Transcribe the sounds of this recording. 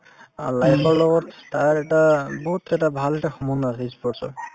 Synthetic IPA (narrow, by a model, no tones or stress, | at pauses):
a̰lajpʰɔɹlɔɡɔtːaɛʈabɔɦut̪ɛtabʱalɛʈaxɔmɔndasispɔsɔ̰